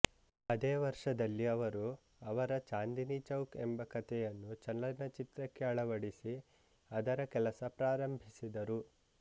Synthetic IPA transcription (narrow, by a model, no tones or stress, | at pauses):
ɐd̪eːʋɐɾʂɐd̪ɐlːiɐʋɐɾu | ɐʋɐɾɐt͡ʃaːnd̪init͡ʃɐwkembɐkɐt̪ɛjɐnːut͡ʃɐnlɐnɐt͡ʃit̪ɾɐkːeɐɭɐʋɐɽisi | ɐd̪ɐɾɐkɛlɐsɐpɾaːɾɐmbʱisid̪ɐɾu